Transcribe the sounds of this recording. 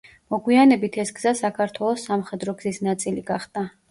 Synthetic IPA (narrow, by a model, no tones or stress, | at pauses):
mɔɡwianɛbit̪ʰɛsɡz̥asakʰaɾt̪ʰwɛlˠɔsːamχɛd̪ɾɔɡzisnat̪sʼiliɡaχd̪̥a